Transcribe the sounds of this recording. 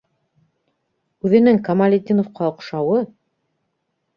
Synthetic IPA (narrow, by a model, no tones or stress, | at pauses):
ʉðɘ̆nɘŋkɐmalʲed̪ʲinofqɑŏqʃɑwɤ